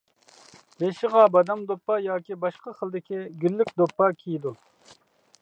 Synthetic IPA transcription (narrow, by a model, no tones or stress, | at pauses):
beʃɪʁɑbɑd̪ɑmd̪opːɑjɑːkʲibɑʃqɑχəlˠd̪ɪkʲʰiɡʲylːykʲd̪opːɑkʲʰijid̪u